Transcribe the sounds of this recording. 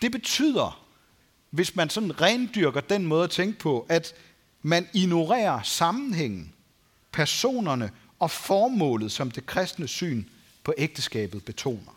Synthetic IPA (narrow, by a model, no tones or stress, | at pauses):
d̥e̝b̥e̝t͡sʰy̰ð̰ˠɐ | ʋe̝smænsɒ̽nʁɛnd̥yɐɡ̥ɐd̥enmɔ̽ːð̞̩ˠæt͡sʰeŋɡ̥əpʰɒ̽ʔæd̥ | mænino̝ʁɛ̰ːɐsɑ̈mn̩ɦeŋ̰n̩ | pʰæɐso̝̰ːnɐnə | ɒ̽fɒːmɔ̰̽ːlð̩ˠsɒ̽md̥e̝kʰʁɛsd̥nəsy̰ːn | pʰɒ̽ʔeɡ̥̚d̥əsɡ̥ɛ̰ːb̥ð̩ˠb̥e̝t͡sʰo̝̰ːnɐ